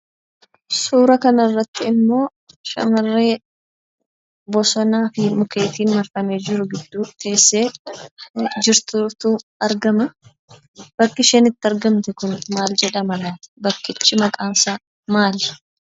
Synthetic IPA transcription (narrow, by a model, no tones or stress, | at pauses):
suːɾɐkɐnɐrːɐt̪ːɪɪmːo̞ː | ʃɐ̰mɐrːeː | bɔsɔnaːfɪmʊkʰe̞ːt̪iːnmɐɾfɐmeːd͡ʒɪɾʊɡɪd̪ːuːt̪e̞ːsːeː | d͡ʒɪɾt̪ut̪uːɐɾɡɐmɐ | b̥ɐkːɪʃɛnɪt̪ːɪɐɾɡɐmt̪ɛkʊnmaːld͡ʒɛᶑɐmɐlaːt̪ɪ̥bɐkːɪt͡ʃːɪmɐkʼaːnsaː | maːl